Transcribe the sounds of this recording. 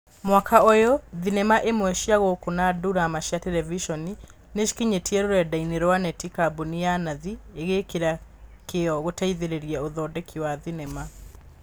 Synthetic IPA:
mwakʰaojɔðinɛmaʔemwɛʃiaɣokonaːduɾamaʃjatɛɾɛviʃɔni | neʃi̥kiɲetiɛɾoɾɛdaineɾwanɛtikabonijanaðieɣekeɾakeɔɣotaiðeɾeɾiɛoðɔːdɛkʰiwaðinɛma

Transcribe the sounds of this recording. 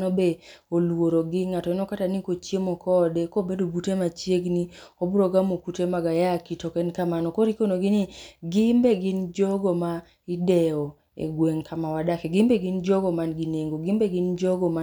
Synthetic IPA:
nɔbeolwoɾoɡɪŋatɔɛnɔkatanikot͡ʃemɔkɔdɛkɔbedobutemat͡ʃjeɡniobuɾoɡamokutemaɡajakitɔkɛnkamanɔkɔɾikonoɡiniɡimbeɡɪnd͡ʒɔɡɔma | idɛɔ | ḛɡweŋkʰamawadakɛɡimbeɡind͡ʒɔɡɔmanɡineŋɡoɡimbɛɡɪnd͡ʒɔɡɔma

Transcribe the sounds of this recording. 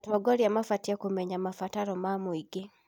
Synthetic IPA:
tɔɡɔɾjamafatjakomeɲamafataɾɔmamɔiɡe

